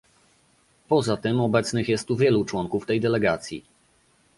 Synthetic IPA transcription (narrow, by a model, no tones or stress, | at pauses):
pɔzat̪ɘmɔbɛt̪snɘxjɛst̪t̪ːuvʲjɛlut͡ʂwɔŋkuft̪ɛjd̪ɛlɛɡat̪sʲjḭ